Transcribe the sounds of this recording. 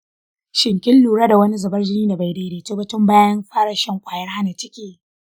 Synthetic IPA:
ʃɪ˨ŋkʲɪ˦lːuː˨ɽaː˦da˨wɐ˦ni˦zɐ˨bɐ˦rd͡ʒɪ˦niː˦da˨ba˨jda˨˦deː˨toː˦bɐ˦tʊ˦mbaː˦jɐ˦mɸaː˦ɽɐ˨ʃɐ˦ŋkʷʼaː˨jɐ˦rɦa˦na˨t͡ʃɪ˦kʲeː˨

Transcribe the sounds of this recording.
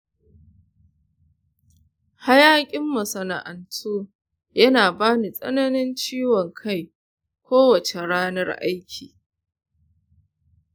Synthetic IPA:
ha˦jaː˦kʲʼɪ˦mːɐ˨sɐ˨na˨ʔa˨ntʰoː˦ | jɐ˦naː˨baː˦ni˨sʼɐ̰˦nɐ˦nɪ˦nt͡ʃiː˦wɔ˨ŋkʰa˦˨j | kʷoː˦wɐ˨t͡ʃe˨ɽaː˦nɐ˦rʔa̰˦jkʲʰḭː˨

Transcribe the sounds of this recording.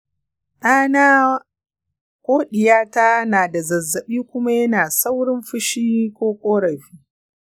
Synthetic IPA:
ɗaː˦naː˦ | kʷʼoː˦ɗɪ˨jaː˦ta˦naː˨da˨zɐ˨zːɐ˨ɓiː˦kʷʊ˦ma˦jɐ˦naː˨sa˦wɽɪ˦mɸɪ˦ʃiː˦kʷoː˦kʷʼoː˦ɽɐ˨jɸiː˦

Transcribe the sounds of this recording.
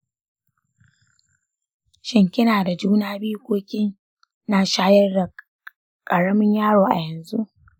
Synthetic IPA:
ʃɪ˦ŋkʲɪ˦naː˨da˨d͡ʒuː˦naː˦biː˦kʷʼoː˦kʲʼɪ˦ŋ | naː˦˨ʃaː˦jɐ˦rda˨ | kʼɐ˨ɽɐ˦mɪ˦ɲjaː˦ɽoː˨ʔa̰˨jɛ˨nzu˦ʔ

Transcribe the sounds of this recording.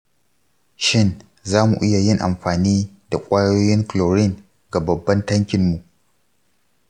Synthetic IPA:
ʃɪ˦n | zaː˦mṵ˨ʔɪ˦ja˨jɪ˦ŋʔa̰˨mɸaː˨niː˦da˨kʷʼaː˦joː˦jɪ˦ŋkloː˨ɾɪ˦˨ŋ | ɡa˨bɐ˨bːɐ˦ntɐ˦ŋkʲɪ˨mːu˨ʔ

